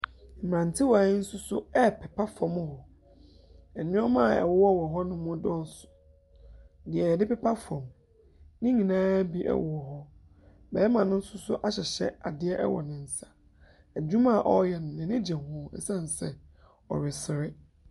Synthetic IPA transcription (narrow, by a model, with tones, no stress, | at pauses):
m˨ɾã˨n˨tʰɪ˦waː˨ɪ˦n̩˦sʊ˦sʊ˦ɛ˦pʰɛ˨pʰa˦fɔ̃˨m˦hɔ˨ | ɛ˨nɪ̃˦ɔ˦mã˦˨ɛ̰˨wɔ˦wɔ˦˨wɔ˨ɦɔ˦nʊ̃˦mɔ̃˦dɔ˦sʊ̥˨ | dɪ˨ɛ˨jɛ˨dɪ˦pɛ˦pʰa˦fɔ̃˨m | nɪ̃˦ɲĩ˨nãː˦bi˦ʔɛ̰˨wɔ˦˨ɔ˨ɦɔ˦ | bɛ˨˦ɛ˦mã˨nʊ̃˦n̩˦sʊ˦sʊ˦ʔa˦ɕɛ˨ɕɛ̰˦a˨dɪ˦ɛ˦ʔɛ̰˦wɔ̰˨nɪ̃˨n̩˨sḁ˨ | æ˨d͡ʑᶣũ˦mã˦˨ʔɔ˦jɛ˨nʊ̃˨nɛ̃˨nɪ̃˦d͡ʑɛ̃˨hɔ̃˨ɛ˦˨sã˦˨n˨sɛ˨ | ɔ̰˨ɾɪ˨sɪ˨ɾɪ˦